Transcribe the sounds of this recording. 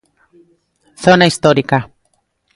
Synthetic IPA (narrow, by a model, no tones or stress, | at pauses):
θonaist̪oɾika